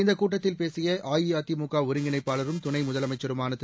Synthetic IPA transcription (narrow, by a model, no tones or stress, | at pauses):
ɪnd̪ɐkːuːʈːɐt̪ːɪlpeːsɪjɐaːjiaːt̪ːimʊkːaːʊɾɪŋɡɪnɐɪpːaːlɐɾɯmt̪ʊɳɐɪmʊðɐlɐmɐɪt͡ʃːɐɾɯmaːnɐt̪ː